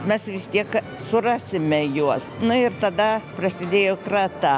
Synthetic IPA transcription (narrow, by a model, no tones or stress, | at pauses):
mʲɛsʋʲɪst̪ʲiɛk | sʊrɑːsʲɪmʲɛjuɔsnʊɪrt̪ɐd̪ɐprɐsʲɪd̪ʲeːjoːkɾɑt̪ɐ